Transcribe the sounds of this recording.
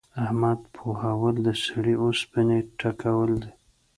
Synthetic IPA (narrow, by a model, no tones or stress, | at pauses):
ahmad̪pʰohawəld̪əsaɽiosbəneʈakawəld̪e